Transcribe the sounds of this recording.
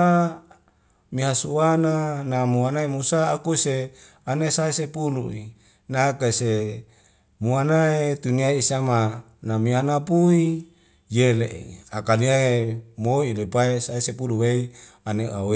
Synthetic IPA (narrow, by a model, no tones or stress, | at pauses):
a | miɦasuananamuanaemusaːkuse | anesaesepului | nakase | muanaet̪uniaiisama | namianapui | jeleʔḭakaliaemoilepaesaesepuluweianeawe